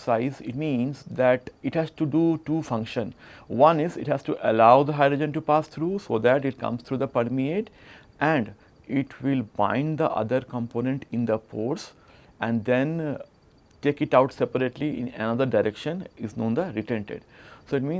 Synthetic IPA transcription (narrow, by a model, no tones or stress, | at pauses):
saɪzɪʈ̚mĩːnsd̪æʈɪʈhæzʈuɖuːʈuːfʌ̃ŋkʃə̃nʋʌ̃nɪzɪʈhæsʈuʔəlaʊd̪əɦaɪɖɾod͡ʒə̃nʈupaːst̪ʰɾuːsoːd̪æʈɪʈ̚kʌ̰̃mst̪ʰɾuːd̪əpəɾmieʈ | ʔæ̃ɳɖ | ɪʈʋɪlbã̰ɪ̃nɖd̪əʔʌ̰d̪əɾkə̃mpoːnẽɳʈɪ̃nd̪əpoːɾs | æ̃ɳɖd̪ẽn | ʈeːkɪʈaʊʈsepəɾeʈliʔɪ̰̃nə̰nʌd̪əɾɖaɪɾʔekʃə̃nɪznõːnd̪əɾiʈẽɳʈḛɖsoːɪʈmĩː